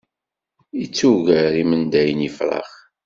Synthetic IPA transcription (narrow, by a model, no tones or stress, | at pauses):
it͡sːuʝəɾimənd̪æjənifɾˤɑ̰χ